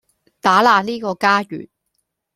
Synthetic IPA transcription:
t̪aː˨˥laː˨˧niː˥kɔː˧kaː˥jy̰ː˨˩n̚

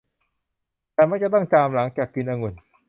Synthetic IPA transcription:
t̪ɛː˨˩ma˥k̚t͡ɕa˨˩t̪ɔ˥˩ŋt͡ɕaː˧mla˩˦ŋt͡ɕaː˨˩kːɯ˧nʔaː˧ŋu˨˩n

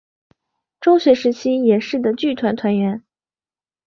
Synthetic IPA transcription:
ʈ͡ʂʊ˥ŋɕɥɛ˧˥ʂɻ̩˧˥t͡ɕʰi˥jɛ˨˩ʂɻ̩˥˩d̪ə˩t͡ɕy˥˩t̪ʰwa˧˥nt̪ʰwa˧˥nɥɛ˧˥n

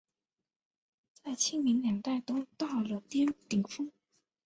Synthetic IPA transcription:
t͡sa˥˩ɪt͡ɕʰi˥ŋmi˧˥ŋljɑ˨˩ŋt̪a˥˩ɪt̪o˥ʊt̪ɑ˥˩ʊlə˨˩t̪jɛ˥nt̪i˨˩ŋfɤ˥ŋ

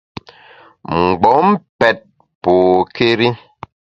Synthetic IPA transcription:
ŋ͡m̩˨ɡ͡bɔ˨˦m̩˦pɛ˨t̚ | poː˨ke˦ɾi˦

